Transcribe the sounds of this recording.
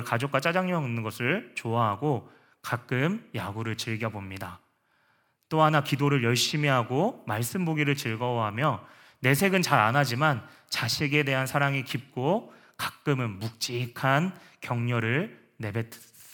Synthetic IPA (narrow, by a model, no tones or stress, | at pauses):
ɭkad͡ʑokwat͡ɕ͈ad͡ʑaŋɲʌŋinːɯnɡʌsʰɯɭt͡ɕoaɦaɡo | kak͈ɯmjaɡuɾɯɭt͡ɕɯɭɡjʌbomɲida | t͈oɦanakidoɾɯɭjʌɭɕ͈imiɦaɡomaɭs͈ɯmboɡiɾɯɭt͡ɕɯɭɡʌwʌɦamjʌ | ne̞s̬ʰe̞ɡɯnt͡ɕaɾa̰nad͡ʑiman | t͡ɕaɕʰiɡe̞de̞ɦansʰaɾaŋikip̚k͈o | kḁk͈ɯmɯnmuk̚t͡ɕ͈ikʰan | kjʌŋɲʌɾɯɭ | ne̞be̞tʰ